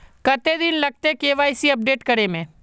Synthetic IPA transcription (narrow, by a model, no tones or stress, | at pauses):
kət̪eːd̪ɪnlɐɡ̚t̪ekeːʋaːɪsiɐp̚ɖeːʈkəɾemẽː